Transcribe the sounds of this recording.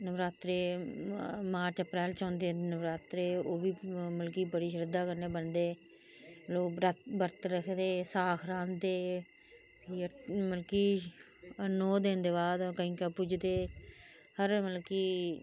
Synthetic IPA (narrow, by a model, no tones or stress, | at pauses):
nəʋɾaːt̪ɾeː | maːɾt͡ʃəpɾɛːlt͡ʃɔ̃ːnd̪eːnəʋɾaːt̪ɾeːoːʋiːməlkiːbəɽiːʃ̬əɾɪd̪aːkəɾneːbənd̪eː | loːkɾəbəɾt̪ɾəkʰd̪eːsaːkʰɾãːnd̪eː | əməlkiː | ənoːd̪eːnd̪eːbaːd̪kəɦĩːkapʊd͡ʒd̪eː | həɾməlkiː